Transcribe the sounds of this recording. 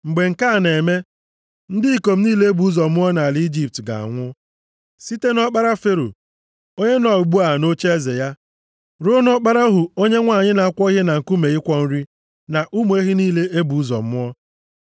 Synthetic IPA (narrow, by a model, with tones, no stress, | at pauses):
ŋ͡m̩˨ɡ͡be˨ŋ̩˨ka˦˨ne˨me˦ | n̩˦dɪ˦i˨ko˨m̩˦niː˦le˦e˦bu˨˦zɔ˨m̩˦ɔ˦na˨a˨li˦d͡ʒi˨p̚tɡa̰˨a̰˨ŋʷʊ˦ | si˦te˦nɔ˦k͡pa˦ɾa˦fe˦ɾo̰˨ | o˦ɲe˦nɔ˨ɡ͡bu˦a˨no˦t͡ʃe˦ze˨ja˦ | ɾo˦nɔ˦k͡pa˦ɾa˦o˦ɦu˨o˦ɲe˦ŋʷa˨ɲɪ˦na˨a˨kʷɔ˦i˦ɦe˦na˨ŋ̩˨ku˦me˨ɪ˦kʷɔ˦n̩˦ɾi˦ | na˨ʔu˦mu˨˦e˦ɦi˦niː˦˨le˦ʔe˦bu˨u˦zɔ̰˨m̩˦ɔ˦